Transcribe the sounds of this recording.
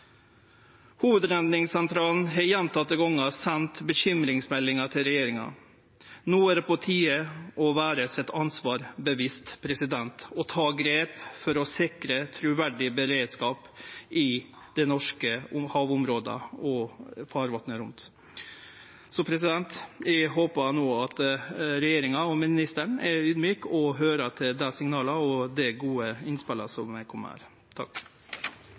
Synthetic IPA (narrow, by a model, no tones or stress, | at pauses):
huːʋəd̪ɾɛnd̪nɪŋsɛnt̪ʰɾɑːln̩ɦɛjɛnt̪ʰɑt̪ːəɡɔŋːɑsɛnt̪bəçʏmɾɪŋsmɛlːɪŋɑʈ̪ʰɪlɾɛjeːɾɪŋɑ̰ | nuːæɾpʰɔt̪ʰiːəʔɔʋæːɾəsɛt̪ːɑnsʋɑːɾbəʋɪst̪pʰɾɛsɪd̪ɛnt̪ɔt̪ʰɑːɡɾeːpfɔɾɔsɪkɾət̪ʰɾʉʋæɖɪbəɾeːd̪skɑːpʔɪ | d̪̥ɛnɔʂkəhɑːʋʊmɾoːd̪ə̰ɔfɑːɾʋɑt̪nəɾʊnt̪ | sɔpʰɾɛs̬ɪd̪ɛnt̪æɦoːpɑnoːɑt̪ɾɛjeːɾɪŋɑɔmɪnɪst̪əɳɛyːd̪myːkɔɦøːɾəʈ̪ʰɪld̪ɛsɪŋnɑːlɑɔd̪ɛɡuːəɪnspɛləsɔmːæɪkʰɔm̰ːhæ̰ɾ | t̪ʰɑ̰kː